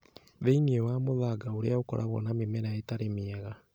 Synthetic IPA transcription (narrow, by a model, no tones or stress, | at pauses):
ðeiniewamoðaɡaoɾeaokɔ̰ɾʔaβɔ̰namemɛɾaetaɾemeɛɣa